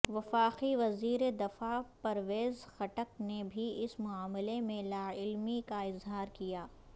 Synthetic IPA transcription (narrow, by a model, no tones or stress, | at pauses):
ʋɐfaːqiʋɐziːɾed̪ɐfapɐɾʋeːzxɐʈəknebʱiɪsmʊaːmlemẽlaːɪlmikaɪzɦaːɾkijaː